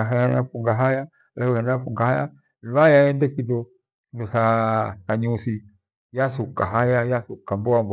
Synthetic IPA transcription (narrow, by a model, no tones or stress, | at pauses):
aɦajanafuŋɡaɦaja | lɛjanafuŋɡahaja | lwajaɛndɛkindɔ | indɔsasaɲusi | jasukaɦajajasukambɔambɔ